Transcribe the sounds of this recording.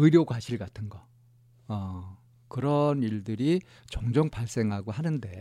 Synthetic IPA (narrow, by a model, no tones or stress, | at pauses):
ɯɾjokwaɕʰiɭɡatʰɯnɡʌ | ʌ | kɯɾʌniɭdɯɾi | t͡ɕʌŋd͡ʑʌŋpaɭs͈e̞ŋɦaɡohanɯnde̞